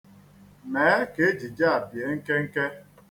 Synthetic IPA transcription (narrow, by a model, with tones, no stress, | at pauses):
meː˨˦ke˨˦e˦d͡ʒi˨d͡ʒa˦a˨bje˨˦ŋ̩˦ke˦ŋ̩˦ke˦